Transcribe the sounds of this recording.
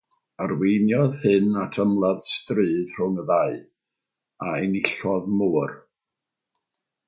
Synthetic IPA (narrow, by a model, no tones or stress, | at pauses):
arwejnjɔðhɨnatʰəmlˠað̥strɨːð̥r̥ʊŋəðaɨ | aɛnɪɬɔðmuːr